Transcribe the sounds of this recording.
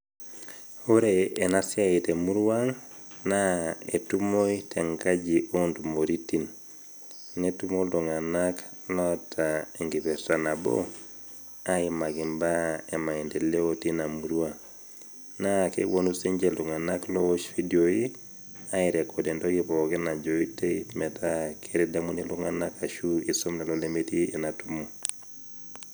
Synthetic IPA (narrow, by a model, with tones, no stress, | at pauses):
oɾeːnasiaitemu˦ɾwaŋ | naḛtumoitʰeŋkad͡ʒiʔondumoɾitin | ŋetumolduŋanak | lɔtaeŋɡipɛɾtanabo̰ | aimaɡi˨mbae˨ma˨ɛ˨ndɛ˨le˦oti˦na˨mu˨ɾwa˦ | na˦kḛ˦wo˦nu˦se˦ɲd͡ʒe˦ldʊ˨ŋa˨naklɔ˦o˦ʃfi˦do˨i˦ | a˦i˨ɾɛ˨kʰɔ˨dɛ˨ndɔ˦ɡɪ˦βɔ˨kɛ˦na˨d͡ʒo˨i˦te˦mɛ˨ta˦kʰeɾi˦da˦mu˦nilu˦ŋa˦na˦ka˨ʃu˦i˨so˦mna˨lɔ˦le˦meti˦ɛ˨na˨tu˦mo˦